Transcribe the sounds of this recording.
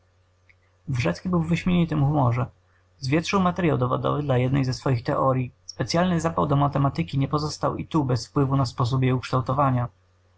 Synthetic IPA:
vʐɛt̪skʲibɘwvɘɕmʲeɲɛnt̪ɘmxumɔʐɛ | zvʲjɛt̪ʂɨwmat̪ɛɾjawd̪ɔvɔ̰d̪ɔ̰vɘd̪lajɛd̪nɛjzɛsfɔjixt̪ɛʔɔɾʲjispɛt̪sʲjalnɘzapawd̪ɔmat̪ɛmat̪ɘkʲiɲɛpɔzɔst̪awḭt̪ubɛsfpwɘvunaspɔs̬upjɛukʂt̪awt̪ɔvaɲa

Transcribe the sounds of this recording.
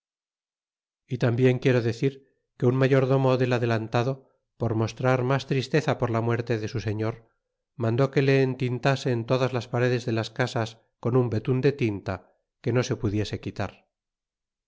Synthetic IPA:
it̪ambje̞ŋkje̞ɾo̞ðe̞θiɾ | ke̞unmaʝo̞ɾðo̞moðe̞laðe̞lant̪aðo̞ | po̞ɾmo̞st̪ɾaɾmast̪ɾist̪e̞θapo̞ɾlamwe̞ɾt̪e̞ðe̞suse̞ɲo̞ɾ | mãnd̪o̞ke̞le̞ːnt̪int̪ase̞ːnt̪o̞ðazlaspaɾe̞ðe̞zðe̞laskasas | ko̞numbe̞t̪und̪e̞t̪int̪a | ke̞no̞se̞puðje̞se̞kit̪aɾ

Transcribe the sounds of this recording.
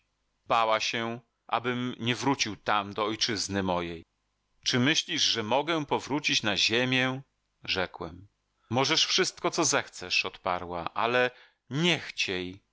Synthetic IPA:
bawaɕɛ | ʔa̰bɘmɲɛvɾut͡ɕiwt̪amd̪ɔɔjt͡ʂɘznɘmɔjej | t͡ʂɘmɘɕlʲiʐʐɛmɔɡɛpɔvɾut͡ɕit͡ɕnaʑemʲjɛ | ʐɛkwɛm | mɔʐɛʂfʂɘst̪kɔt̪sɔzɛxt̪sɛʂɔt̪paɾwaʔalɛ | ɲɛxt͡ɕej

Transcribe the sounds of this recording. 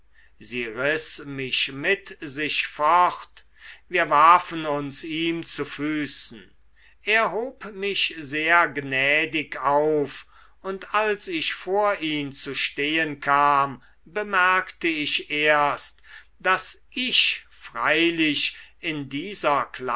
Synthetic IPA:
ziːʁɪsmɪʃmɪtzɪʃfɔχt | viːɐvaɐfənʊnsiːmt͡sufyːsn̩ | ʔeːɐɦoːpmɪʃzeːɐɡnɛːdɪkaʊf | ʊntalsɪʃfoːɐʔiːmt͡suʃteːənkʰaːm | bəmɛɐktəɪʃʔeːɐst | d̥asʔɪʃfʁ̥aɪlɪʃɪndiːzɐkla

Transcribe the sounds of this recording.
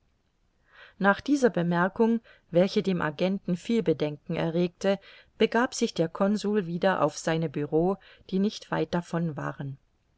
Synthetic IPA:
naːχd̥iːzɐbəmɛɐkʊŋ | vɛlçədeːmʔa̰ɡɛntn̩fiːlbədɛŋkŋ̩ɛ̰ɐʁeːk̚tə | b̥əɡaːpz̥ɪçd̥eːɐkʰɔnzuːlviːdɐʔa̰ʊfz̥aɪnəbyʁoːd̥iːnɪçtv̥a̰ɪt̚d̥afɔnva̰ːʁən

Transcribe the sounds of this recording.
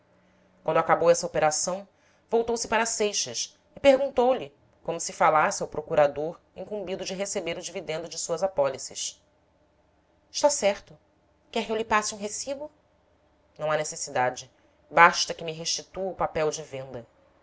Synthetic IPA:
kwɐ̃nd̪ʊakabowɛsɐopeɾasɐ̃w̃ | vowt̪owsɪpaɾɐsejʃɐs | ɪpeɾɡũnt̪owlɪ | kõmʊsɪfalasɪɐwpɾʔokuɾad̪oɾ | ĩŋkũmbid̪ʊd͡ʒɪɦesebeɾʊd͡ʒivid̪ẽnd̪ʊd͡ʒɪsuɐzapɔlisɪ̰ʃ | ɪʃt̪asɛɾt̪ʊ | kɛkɪewlɪpasɪũɦesibʊ | nɐ̃w̃anesesid̪ad͡ʒɪ | baʃt̪ɐkɪmiɦeʃt͡ʃit̪uʊpapɛwd͡ʒɪvẽnd̪ɐ

